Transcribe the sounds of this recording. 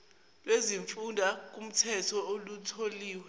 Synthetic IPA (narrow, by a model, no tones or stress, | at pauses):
lweziɱfundʱak̬ʼum̩tʰɛtʰɔolutʰoliːwɛ